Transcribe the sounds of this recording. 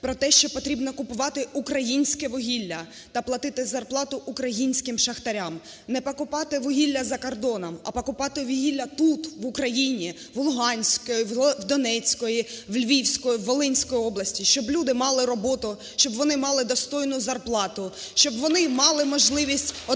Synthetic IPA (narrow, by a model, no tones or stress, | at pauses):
pɾɔt̪ɛʃt͡ʃɔpɔt̪ɾʲibnɔkʊpʊʋɑt̪ɪukɾɐjinʲsʲkɛʋɔɦʲilʲːɐ | t̪ɐplˠɐt̪ɪt̪ɪzɐrplˠɑt̪ʊʔukɾɐjinʲsʲkɪmʃɐxt̪ɐɾʲam | nɛpɐkʊpɑt̪ɪʋɔɦʲilʲːɐzɐkɔrd̪ɔnɔmɐpɐkʊpɑt̪ɪʋɔɦilʲːɐt̪ut̪ʋʊkɾɐjinʲi | ʋlˠʊɦɑnʲsʲkɔjiʋd̪ɔnɛt͡sʲkɔjiʋlʲʋʲiwsʲkɔjiʋːɔlˠɪnʲsʲkɔjiɔblˠɐsʲtʲiʃt͡ʃɔblʲud̪ɪmɑlˠɪɾɔbɔt̪ʊ | ʃt͡ʃɔbʋɔnɪmɑlˠɪd̪ɔst̪ɔjnʊzɐrplˠɑt̪ʊʃt͡ʃɔbʋɔnɪmɑlˠɪmɔʒlˠɪʋʲisʲtʲɔ